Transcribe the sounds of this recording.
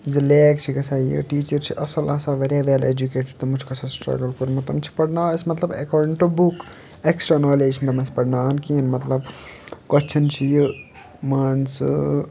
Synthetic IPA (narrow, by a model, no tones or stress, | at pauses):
d͡ʒileːk̚t͡ʃʰikɐsajɨ̰ʈiːt͡ʃəɾt͡ʃʰiʔɐsɐlaːsaʋɐɾjaʋeled͡ʒukeːʈəɾt̪ɐmud͡ʒʰkɐsasʈɾɐ̰ɡəlkuɾmɐt̪ɐmt͡ʃʰi̥pɐɽnaːsmɐt̪lɐbḛkɔːɾɖiɳʈubuk | eksʈɾanoːled͡ʒʰint̪ɐmɐnspɐɽnaːnkinmɐt̪lɐbkɐt͡ʃʰint͡ʃʰijɨ | mɐns